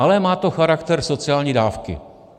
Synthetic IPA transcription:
ʔalɛmaːt̪o̞xaɾakt̪ɛɾso̞t͡sɪaːlɲiːdaːfkɪ̰

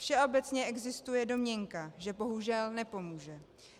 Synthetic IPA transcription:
fʃɛʔo̞bɛt͡sɲɛʔɛɡzɪst̪ujɛdo̞mɲɛŋkaʒɛbo̞ɦuʒɛlnɛpo̞muːʒɛ

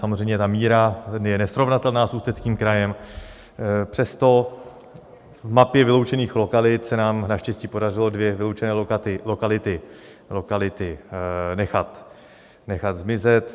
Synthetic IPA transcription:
samor̝ɛjmɲɛt̪amiːɾajɛnɛsɾo̞vnat̪ɛlnaːsuːst̪ɛt͡skiːmkɾajɛm | pr̝̥ɛst̪o̞ | vmapjɛvɪlo̞wt͡ʃɛniːxlo̞kalɪt̪sɛnaːmnaʃcɛsciːpo̞dar̝ɪlo̞dvjɛvɪlowt͡ʃɛnɛːlokat̪ɪlo̞kalɪt̪ɪ | lo̞kalɪt̪ɪnɛxat̪ | nɛxat̪zmɪzɛt̪

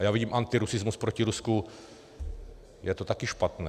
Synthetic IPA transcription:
jaːviɟiːmʔant̪ɪɾusɪzmuspɾociɾusku | jɛt̪ot̪akɪʃpat̪nɛː

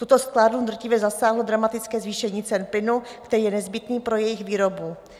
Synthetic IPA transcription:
t̪ut̪o̞sklaːdlud̪r̩cɪvjɛzasaːɦlodɾamat̪ɪt͡skɛːzviːʃɛɲiːt͡sɛnplɪnukt̪ɛɾiːjɛnɛzbɪt̪niːpɾo̞jɛjɪxviːɾo̞bu

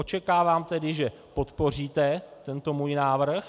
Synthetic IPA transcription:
ot͡ʃɛkaːvaːmt̪ɛdɪʒɛ | po̞t̪po̞r̝iːt̪ɛt̪ɛnt̪o̞muːjnaːvr̩x

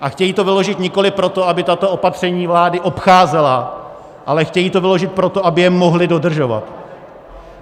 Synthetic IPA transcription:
ʔaxcɛjiːt̪o̞vɪlo̞ʒɪt̪ɲɪko̞lɪpɾo̞t̪o̞abɪt̪at̪o̞opat̪r̝̥ɛɲiːvlaːdɪʔo̞pxaːzɛla | ʔalɛxcɛjiːt̪o̞vɪloʒɪt̪̚pɾot̪oʔabɪjɛmoɦlɪdo̞dr̩ʒo̞va̰t̪

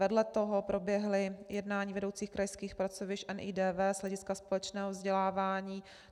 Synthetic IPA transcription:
vɛdlɛt̪oɦopɾo̞bjɛɦlɪjɛdnaːɲiːvɛdowt͡siːxkɾajskiːxpɾat͡sovɪʃʔɛnʔiːdɛːvɛːzlɛɟɪskaspo̞lɛt͡ʃnɛːɦovzɟɛlaːvaːɲiː

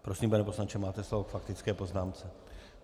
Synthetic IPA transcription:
pɾosiːmpɛnɛpo̞slant͡ʃɛmaːt̪ɛslovokfakt̪ɪt͡skɛːpo̞znaːmt͡sɛ

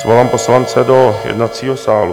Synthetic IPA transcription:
zvolaːmpo̞slant͡sɛdo̞jɛ̰dnat̪t͡siːɦosaːlṵ

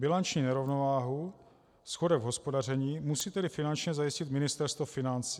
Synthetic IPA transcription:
bɪlant͡ʃɲiːnɛɾo̞vnovaːɦu | sxodɛvɦo̞spo̞darɛɲiːmusiːt̪ɛdɪfɪnant͡ʃɲɛzajɪscɪt̪mɪnɪst̪ɛɾst̪vofɪnant͡si

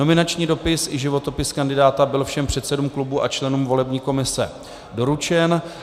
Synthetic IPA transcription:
o̞mɪnat͡ʃɲiːdo̞pɪsʔɪʒɪvo̞t̪o̞pɪskandɪdaːt̪abɪlfʃɛmpr̥ɛt̪sɛdumklubuʔa̰t͡ʃlɛnuːmvo̞lɛbɲiːko̞mɪsɛ̰ | do̞ɾut͡ʃɛn

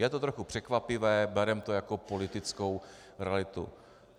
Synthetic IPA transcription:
jɛt̪ot̪ɾoxupr̥ɛkvapɪvɛːbɛɾɛmt̪ojakopo̞lɪt̪ɪt͡sko̞w | ɾɛalɪt̪ṵ

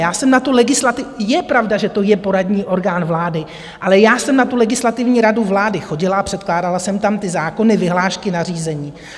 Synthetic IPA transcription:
jaːsɛmnat̪ulɛɡɪslat̪ɪjɛpɾavdaʒɛt̪o̞jɛpo̞ɾadɲiːʔo̞ɾɡaːnvlaːdɪ | ʔalɛjaːsɛmnat̪ulɛɡɪslat̪ɪvɲiːɾaduvlaːdɪxo̞ɟɪlaapr̝̥ɛt̪klaːdalasɛmt̪amt̪ɪzaːko̞nɪvɪɦlaːʃkɪnar̝iːzɛɲiː

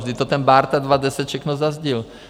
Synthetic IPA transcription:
ʒd̪it̪ɔt̪ɛnbaːɾt̪ad̪ʋad̪ɛsacʃɛknɔzazɟil

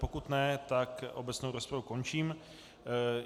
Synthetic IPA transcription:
po̞kut̪nɛt̪akʔobɛt͡snowɾospɾavuko̞nt͡ʃiːm

